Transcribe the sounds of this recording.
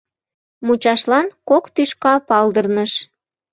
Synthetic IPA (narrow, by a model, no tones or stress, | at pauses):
mut͡ɕɑʃlɑnkokt̪yʃkɑpɑld̪ərnəʃ